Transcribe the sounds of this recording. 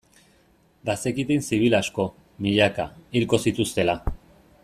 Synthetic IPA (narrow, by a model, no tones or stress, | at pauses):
basekit̪insiβ̞ilasko̞ | miʎakailko̞sit̪ust̪e̞la